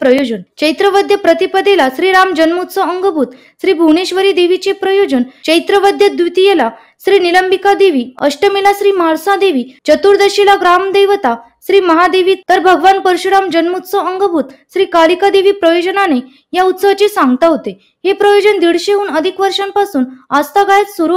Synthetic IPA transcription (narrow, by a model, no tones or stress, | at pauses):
pɾəjod͡ʑənt͡ɕəjt̪ɾəʋəd̪ʱjəpɾət̪ipəd̪elasɾiːɾamd͡ʑənmut̪t͡sɔəŋɡəbʱuːt̪ | ɕɾiːbʱuneɕʋəɾid̪eʋit͡ɕepɾəjod͡ʑənt͡ɕəjt̪ɾəʋəd̪ʱjəd̪ʋit̪ijela | ɕɾiːniləmbikad̪eʋiːəʂɕʈəmilasɾiːmaɭsãd̪eʋiːt͡ɕət̪uːɾd̪əɕilaɡɾamd̪ejʋt̪a | ɕɾiːməɦad̪eʋiːt̪əɾbʱəɡʋanpəɾɕuɽamd͡ʑənmut̪sɔəŋɡəbʱuːt̪ɕɾiːkalikad̪eʋiːpɾəjod͡ʑənane | jaut̪səʋt͡ɕesãŋɡt̪aɦot̪e | hepɾəjod͡ʑənd̪iɽɕeɦuːnəd̪ʱikʋəɾʂãmpasuːnast̪aɡajt͡s̪suɾu